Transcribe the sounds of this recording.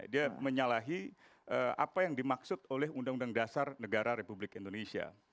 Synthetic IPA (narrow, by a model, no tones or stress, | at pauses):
diaməɲalaɦi | əa̰pajaŋdimaksʊt̪olɛɦundaŋundaŋdasarnəɡaɾaɾepublɪkindonesia̰